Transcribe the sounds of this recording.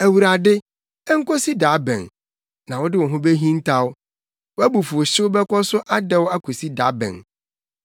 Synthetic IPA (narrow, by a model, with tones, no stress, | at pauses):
æ˨wu˨ɾa˨dɪ˦ | ɛ˦ŋ̩˦kɔ˦si˦da˨˦bɛ̰̃˨n | nã˨wɔ˦dɪ˦wɔ˨ɦʊ̃˦be˦ɦĩ˦n̩˦tʰa˦wʊ˦ | wæ˦bu˨fʊ˨o˨ɕɪ˦wʊ˦bɛ˦kʷʰɔ˦sʊ˦ʔa˦dɛ˦wa˦kʰo˨si˦da˨˦bɛ̰̃˨n